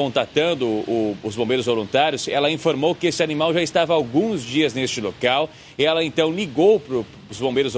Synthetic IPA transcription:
õt̪ɾat̪ɐ̃nd̪ʊʊːzbõbejɾʊzvolũnt̪aɾjʊsɛlɐĩfoɾmowkɪesɪanimawʒaɪst̪avɐawɡũzd͡ʒiɐznest͡ʃɪlokaw | ɪɛlɐẽnt̪ɐ̃w̃liɡowpɾʊ | ʊzbõmbejɾʊz

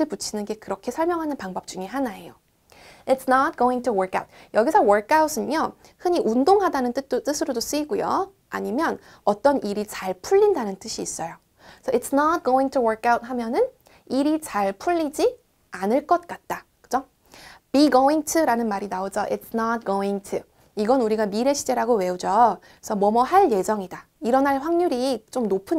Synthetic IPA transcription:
ɯɭput͡ɕʰinɯnɡe̞kɯɾʌkʰe̞sʰʌɭmjʌŋɦanɯnpaŋbʌp̚t͡ɕ͈uŋeɦanaejo | ɪtsnat̚ɡ̥oĩŋtʰuwʌɾkʰa̰wt̚jʌɡisʰʌwʌɾkʰawus͈ɯɲo | hɯɲiʔundoŋɦadanɯnt͈ɯt͈t͈ɯsʰɯɾodos͈ɯiɡojo̰ | a̰ɲimjʌn | ʌt͈ʌnʔiɾit͡ɕaɭpʰuʎːindanɯnt͈ɯɕʰiːs͈ʌjo | sʰʌitsnat̚ɡ̥oĩŋtʰuwʌɾkʰawt̚ɦamjʌnɯn | iɾit͡ɕaɭpʰuʎːid͡ʑi | anɯɭk͈ʌt̚k͈at̚t͈akɯd͡ʑo | piɡoiŋtʰuɾanɯnmaɾinaod͡ʑʌʔitsnat̚ɡ̥oiŋtʰu | iɡʌnuɾiɡamiɾeɕʰi̥d͡ʑe̞ɾaɡowe̞ud͡ʑo | sʰʌmʌmʌɦaɭje̞sʰʌŋidaiɾʌnɦaɭɸwaŋɲuɾit͡ɕ͈omnopʰɯ

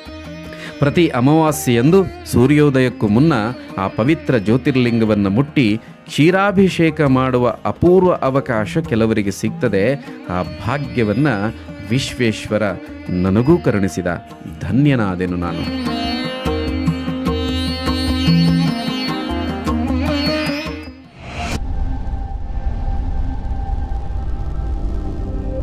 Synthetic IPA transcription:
pɾɐt̪iʔɐmɐʋaːsijend̪usuːɾjoːd̪ɐjɐkːumunːɐaːpɐʋit̪ɾɐd͡ʒoːt̪iɾɐliŋɡɐʋɐnːɐmuʈːi | t͡ʃiːɾaːbʱiʃɛːkɐmaːɽuʋɐ̰ʔɐpuːɾʋɐʔɐʋɐkaːʃɐkɛlɐʋɐɾiɡe̞sik̚t̪ɐd̪eaːbʱaːɡjɐʋɐnːɐʋiʃʋeːʃʋɐɾɐ | nɐnɐɡuːkɐɾɐɳisid̪ɐ̰ | d̪ʱɐnjɐnaːd̪enuna̰ːnṵ

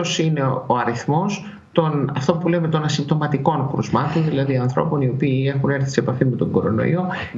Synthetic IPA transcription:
osine̞o̞ɐɾiθmo̞s | t̪o̞nɐft̪opule̞me̞t̪o̞nɐsimb̚t̪o̞mɐt̪iko̞nkɾṵzmɐt̪o̞nðilɐðiɐnθɾo̞̰po̞nio̞piːe̞xune̞ɾθi̥sepɐfime̞t̪o̞ŋɡo̞ɾo̞̰no̞̰ḭo̞

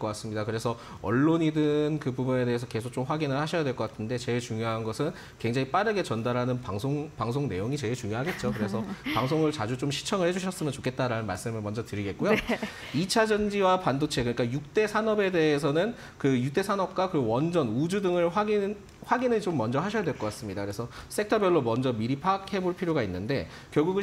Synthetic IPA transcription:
k͈ʌk͈as͈ɯmɲidakɯɾe̞sʰʌ | ʌɭːoɲidɯnkɯbubune̞de̞esʰʌkesʰok̚t͡ɕ͈omɸwaɡinɯɭhaɕʰʌjadweɭk͈ʌk͈atʰɯnde̞t͡ɕe̞ɭt͡ɕuŋjoɦanɡʌsʰɯn | kwe̞ŋd͡ʑaŋip͈aɾɯɡe̞t͡ɕʌndaɾɦanɯnpaŋsʰoŋpaŋs̬ʰoŋne̞̰joŋit͡ɕe̞ɭt͡ɕuŋjoɦaɡe̞t̚t͡ɕ͈okɯɾe̞sʰʌpaŋs̬ʰoŋɯɭt͡ɕad͡ʑut͡ɕomɕʰi̥t͡ɕʰʌŋɯɭhe̞d͡ʑuɕʰʌs͈ɯmjʌnt͡ɕo̥kʰe̞t̚t͈aɾanɯnmaɭs͈ɯmɯɭmʌnd͡ʑʌtɯɾiɡe̞t̚k͈ojo | it͡ɕʰad͡ʑʌnd͡ʑiwapandot͡ɕʰe̞kɯik͈ajuk̚t͈e̞sʰanʌbe̞de̞ːs̬ʰʌnɯn | kɯjut͈e̞sʰanʌp̚k͈wakɯwʌnd͡ʑʌnud͡ʑudɯŋɯɭɸwaɡi | ɸwaɡinɯɭt͡ɕomːʌnd͡ʑʌhaɕʰʌjadwe̞ɭkʌk͈as͈ɯmɲidakɯɾe̞sʰʌs͈ek̚tʰʌbjʌɭːomʌnd͡ʑʌmiɾipʰak̚he̞boɭpʰiɾjoɡainːɯnde̞ | kjʌɭɡuɡɯ

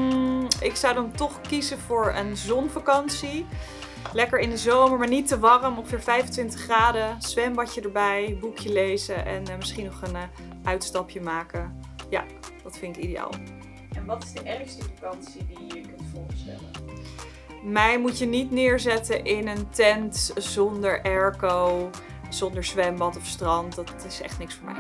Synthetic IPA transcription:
ɪksɑwdɑntɔχkizəvʊːɹə̰nzɔnvakɑnsi | lɛkəɹɪndəzowməɹmaːɹnitəʋɑrəmɔ̃ŋχəv̥ɪːɹvɛjfəntʋɪntə̥χːraːdəsʋɛmbɑcədəɹbɛjbukʰjəlejzəʔɛ̰nmɪsχinɔχən | ʔœɥtstɑpjəmaːkəja̰ | d̥ɑtfɪnɪkideja̰ːlˠ | ɛnʋɑtɪzdəʔɛrχstəfakɑnsidijəkɵntfʊɹstɛ̰lə | mɛjmutjənitnɪːɹzɛtəʔɪnəntɛntz̥ɔndəɹʔɛɹkow | z̥ɔndəɹsʋɛmbɑtɔfstrɑntdɑtɪsɛ̰χtnɪksfʊːɹmɛ̰j

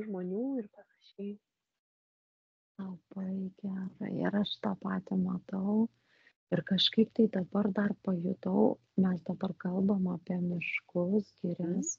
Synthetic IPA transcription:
ʒmoːnʲuːɪrpɐnɐʃʲɛɪ | lˠɐb̥ɐɪɡʲæːrɐ̰ɪɪ̰ɾɐʃt̪ɑpɑːt̪ʲɪmɐt̪ɐʊ | ɪrkɐʃkɐɪpt̪ɐɪd̪ɐbɐrd̪ɐrpɐjʊt̪ɐʊ | mʲɛsd̪ɐbɐrkɐlˠboːmɐpʲiɛmʲɪʃkʊsɡʲiːɾʲɛs

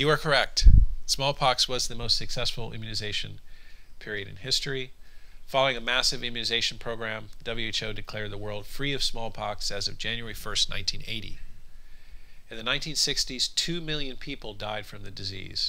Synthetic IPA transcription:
jɨə˞kʰə˞ɛk̚tsmɔlˠpʰɑkswʌzðɨmoʊstsɨksɛsfl̩ˠɪ̰̃mjʉnɨzeɪʃɨ̰̃npʰɪɹiɨɾɨ̰̃nhɪstɹ̥ifɑlˠoʊɪ̃ŋɨmæsɨvɨ̃mjʉnɨzeɪʃn̩pʰɹ̥oʊɡɹæ̃md̥ʌbl̩ˠjʉeɪt͡ʃoʊdɨkʰl̥ɛɹd̪̚ðəwɜ˞lˠd̥fɹiʌv̥smɔlˠpʰɑksɨzʌvd͡ʒæ̃njʉɛ˞ifɜ˞stⁿnã̰ɪ̃ntʰĩnḛɪɾḭ | ɨ̃nðɨnãɪ̃ntʰĩnsɪkstiz̥tʰʉmɪlˠjɨ̃npʰipl̩ˠdaɪd̥fɹʌ̃mðɨdɨzḭz̥

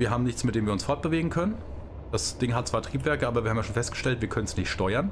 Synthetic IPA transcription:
viːɐɦaːbm̩nɪçt͡smɪtd̥eːmviːɐʊnsfɔɐt̚b̥əveːɡŋ̩kʰœnən | d̥asd̥ɪŋhatt͡sv̥aːɐtʁ̥iːpv̥ɛɐkəʔaːbɐviːɐhaːmjaʃoːnfɛstɡ̥əʃtɛltv̥iːɐkʰœnənsnɪçtʃtɔʏɐn

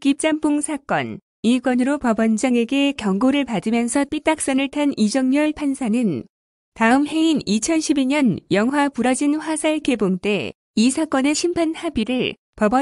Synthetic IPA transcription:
kip̚t͡ɕ͈ampuŋsʰak͈ʌ̰n | ikwʌnɯɾopʌbʌnd͡ʑʌŋe̞ɡe̞kjʌŋɡoɾɯɭpadɯmjʌnsʰʌp͈it͈ak̚s͈ʌnɯɭtʰanid͡ʑʌŋɲʌɭpʰansʰanɯn | taɯmhe̞init͡ɕʰʌnɕʰibiɲʌnjʌŋwapuɾʌd͡ʑinɸwasʰaɭke̞boŋt͈e̞ | isʰak͈ʌne̞ɕʰimpʰanhabiɾɯɭ | pʌbʌ

